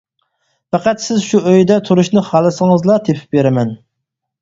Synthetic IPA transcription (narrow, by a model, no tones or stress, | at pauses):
fæqæt̪sɪzʃuʔøjd̪ɛt̪ʰuɾuʃnɨχɑlˠɨsəŋəzlˠɑt̪ʰepʰɪ̥p̚beɾɪmɛn